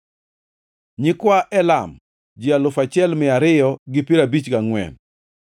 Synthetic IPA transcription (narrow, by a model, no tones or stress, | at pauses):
ɲɪkwaʔɛlam | d͡ʒɪalʊfat͡ʃɪɛlmɪaɾɪjɔɡɪpiɾabit͡ʃɡaŋwɛ̰n